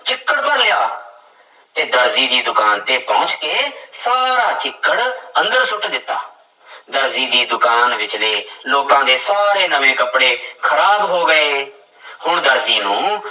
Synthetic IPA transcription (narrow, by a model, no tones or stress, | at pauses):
t͡ʃɪkːəɽpəɾljaː | t̪eːd̪əɾziːd̪iːd̪ʊkaːnt̪eːpɔːʊt͡ʃkeːsaːɾaːt͡ʃɪkːəɽə̃nd̪əɾsʊʈd̪ɪt̪ːa̰ː | d̪əɾziːd̪iːd̪ʊkaːnʋɪt͡ʃleːloːkãːd̪eːsaːɾeːnəʋẽːkəpɽeːkʰəɾaːbɦoːɡəeː | hʊɳd̪əɾziːnũː